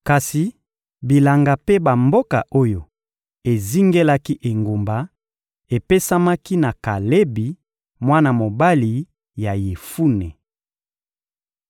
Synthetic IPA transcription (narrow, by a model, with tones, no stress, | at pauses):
ka˨si˨ | bi˨la˨ŋɡa˨pe˦ba˨mbo˦ka̰˨ʔo˦jo˨ | e˨zi˦ŋɡe˦la˦ki˦ʔe˨ŋɡo˨mba˨ | e˨pe˦sa˦ma˦ki˦na˨ka˨le˦bi˨ | mwa˦na˨mo˨ba˦li˨ | ja˨je˨fu˦ne˨